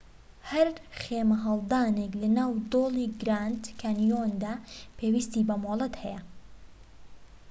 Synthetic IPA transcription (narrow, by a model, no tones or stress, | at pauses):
hɐɾχeːmɐɦɐlˠd̪aːneklɐnaːwd̪oːlˠiːɡɾaːnd̪kʰanijond̪aːpʰeːwiːst̪iːbɐmoːlˠɐt̪hɛjɐ